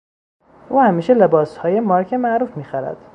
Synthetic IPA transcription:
ʔuːhæmiːʃelebɒːshɒːjemɒːɾcʰemæʔɾuːfmiːxæɾæ̰d̪̥

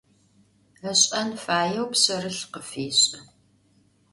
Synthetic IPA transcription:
ɐɕʼɐnfaːjɐwpsɐrɨɬqəfiːɕʼɐ

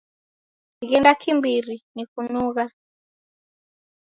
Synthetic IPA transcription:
kiɣindakʰimbiɾinikunuɣa

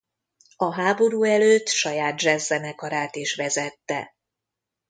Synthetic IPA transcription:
ɒɦaːbo̞ɾuːɛløːt̪ːʃɒjaːd̪̚d͡ʒɛzːɛnɛkɒɾaːt̪eːʃʋɛzɛt̪ːɛ̰

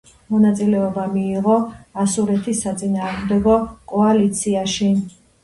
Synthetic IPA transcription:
mɔnat̪sʼilɛɔbamiːʁɔasuɾɛt̪ʰisːat̪sʼinaːʁmd̪ɛɡɔkʼɔalit̪sʰiaʃi

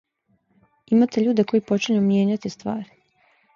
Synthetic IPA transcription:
imat̪eʎuːd̪eko̞jipo̞t͡ʃiɲumje̞ːɲat̪ist̪ʋa̰ːɾi

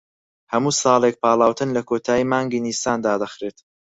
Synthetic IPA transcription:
hɐmuːsɑːlˠek̚pʰaːlˠaːwt̪ʰɨnlɐkʰoːt̪ʰaːjiːmaːŋɡiːnist̪aːnd̪aːd̪ɐxɾeːt̪

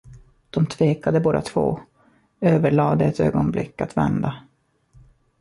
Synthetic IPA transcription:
d̪̥ɔmt̪ʰveːkad̪əboːd̪a̰t̪ʰvo̰ː | øːvəɭɑːd̪ɛɛt̪ø̰ːɡɔnblɪkːat̪vɛ̰nd̪a

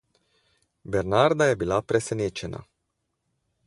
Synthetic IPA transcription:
bernard̪ajebilapɾesenet͡ʃena̰

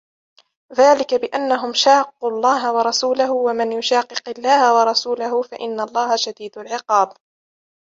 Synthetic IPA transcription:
ðaːlɪkabɪʔanːaɦʊmʃaːq̚ːulˤːɑːɦawɑɾˤɑsuːlahʊwamɪnjʊʃaːqːɨqɪlːaːhawɑɾˤɑsuːlahʊfaʔɪnːalˤːɑːhaʃad̪iːd̪ʊlʕɪqɑːb

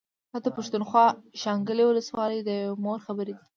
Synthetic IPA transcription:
hat̪apaʃt̪unxwɑʃɑŋɡəlewʊləswɑləjd̪əmoɾxabəɾed̪i

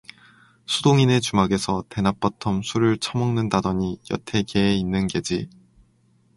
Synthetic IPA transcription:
sʰudoŋine̞t͡ɕumaɡe̞sʰʌte̞nap͈ʌtʰʌmsʰuɾɯɭt͡ɕʰʌmʌŋnɯndadʌɲijʌ̰tʰe̞keːinːɯnɡe̞d͡ʑi

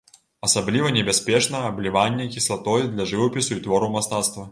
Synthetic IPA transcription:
ɐsablʲivɐnʲɛbʲasʲpʲɛt͡ʂnɐɐblʲivanʲːɛkʲislˠat̪ɔjd̪lʲɐʐɨvɐpʲisuit̪vɔɾumast̪at̪st̪vɐ

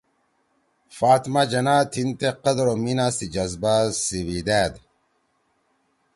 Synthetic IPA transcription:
faːt̪mad͡ʑɐnaːt̪ʰint̪eqɐd̪ɾominaːsid͡ʑɐzbasiwid̪æːd̪

